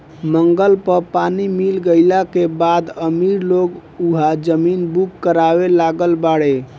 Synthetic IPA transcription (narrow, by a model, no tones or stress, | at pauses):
məŋɡəlpəpanimilɡəɪlakebad̪əmiɾloɡuɦad͡ʒəminbukːəɾabelaɡəlbaɽe